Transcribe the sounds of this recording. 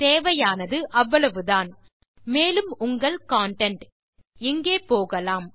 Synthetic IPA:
t̪eːʋɐjaːnɐðɯʔɐʋːɐɭɐʋɯðaːn | meːlɯmʊŋɡɐɭkaːɳʈɐɳʈ | ɪŋɡeːpoːɣɐlaːm

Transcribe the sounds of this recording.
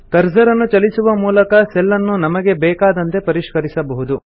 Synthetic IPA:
kɐɾzɐɾɐnːut͡ʃɐlisuʋɐmuːlɐkɐsɛlːɐnːunɐmɐɡe̞bɛːkaːd̪ɐnt̪e̞pɐɾiʃkɐɾisɐbɐɦud̪u

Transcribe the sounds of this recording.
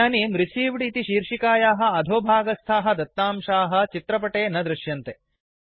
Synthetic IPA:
aːnimɾisiːʋɽit̪iʃiːɾʂikaːjaːɦɐ̆ɐd̪ʱoːbʱaːɡɐst̪ʰaːɦɐ̆d̪ɐt̪ːaːmʃaːɦɐ̆t͡ʃit̪ɾɐpɐʈeːnɐd̪ɾɪʃjɐnt̪e

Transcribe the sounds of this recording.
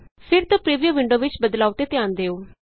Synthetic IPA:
pʰɪɾt̪õːpɾiːʋijəʋɪ̃ɳɖoːʋɪt͡ʃbəd̪laːot̪eːt̪jaːnd̪eːoː

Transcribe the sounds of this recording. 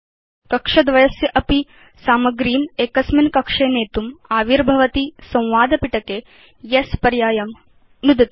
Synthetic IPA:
kɐkʂɐd̪ʋɐjɐsjɐʔɐpi | saːmɐɡɾiːneːkɐsminkɐkʂeːneːt̪umaːʋiɾbʱɐʋɐt̪isɐ̃w̃ʋaːd̪ɐpiʈɐkeː | jespɐɾjaːjɐm | nud̪ɐt̪

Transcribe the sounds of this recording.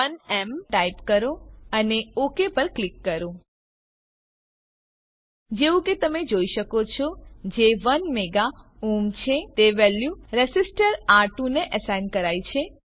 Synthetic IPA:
ənɛmʈaipkəɾõəneokepəɾklikːəɾõ | d͡ʒeʋũket̪əmed͡ʒoiʃəkot͡ʃʰɔd͡ʒeʋənmeɡaumt͡ʃʰet̪eʋɛljuɾesisʈəɾaɾʈũneʔəsajnkəɾajt͡ʃʰe

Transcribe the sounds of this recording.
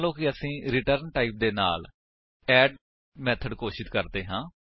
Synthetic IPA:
lõːkɪəsĩːɾɪʈəɾnʈaːiːp̚d̪eːna̰ːl | ɛːɖ | mɛːt̪ʰəɖkoːʃɪt̪kəɾd̪eːɦãː

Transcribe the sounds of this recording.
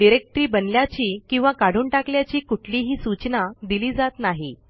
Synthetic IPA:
ɖiɾek̚ʈɾiːbənljat͡ɕiːkĩw̃ʋakaɽ̤uːnʈakljat͡ɕiːkuʈʰliɦiːsut͡ɕnad̪iliːd͡zat̪naɦi

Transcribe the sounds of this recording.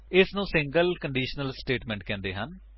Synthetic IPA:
ɪsnũːsɪ̃ŋɡəlkəɳɖiːʃənəlsʈeːʈmɛ̃ːɳʈkɛ̃ːnd̪eːɦən

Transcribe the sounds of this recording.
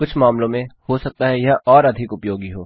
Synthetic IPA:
kʊt͡ʃʰmaːmlõmẽhosɐk̚t̪aɦɛjɐɦɔːɾɐd̪ʱɪkʊpjoːɡiɦoː

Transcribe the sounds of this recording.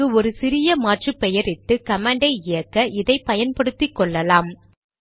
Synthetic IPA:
ɯɔɾɯsɪɾɪjɐmaːʈrɯpːɛjɐɾɪʈːɯkɐmaːɳɖɐɪɪjɐkːɐʔɪðɐɪpɐjɐnpɐɽɯt̪ːɪkːɔɭːɐlaːm

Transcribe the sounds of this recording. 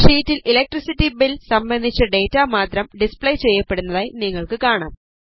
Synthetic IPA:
ʂiːtːililek̚ʈrisitːibilsɐmbɐnd̪ʱit͡ɕːɐɖe̞ːtːaːmaːt̪rɐmɖispɭɐjt͡ɕe̞jːɐpːe̞ɽunːɐðaːjniŋːɐɭkɨkaːɳaːm

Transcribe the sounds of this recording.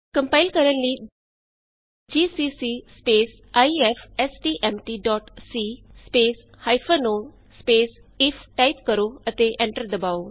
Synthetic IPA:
kə̃mpaɪlkəɾə̃nlːiː | d͡ʒiːsisispeːs | aiefesʈiːʔemʈiːɖɔːʈsiːspeːs | hajfʰənoː | speːsifʰʈaipkəɾoət̪eʔẽɳʈəɾd̪ɐbaːo

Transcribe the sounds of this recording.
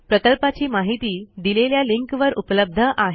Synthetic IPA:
pɾəkəlpat͡ɕiːmaɦit̪iːd̪ileljaliŋkʋəɾupləb̚d̪ʱəʔaɦ

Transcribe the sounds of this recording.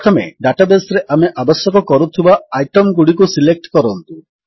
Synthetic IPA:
tʰɔmḛɖaʈabesɾeʔameʔabɔsjɔkɔkɔɾut̪ʰibaajʈɔmɡuɽikusilek̚ʈkɔɾɔnt̪u

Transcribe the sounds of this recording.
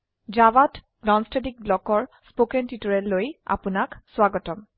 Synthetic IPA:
d͡ʒawat | nɔnstedik̚blɔkɔɹspokɛntitɔɹɛlːoja̰pʊnakswaɡɔtɔm

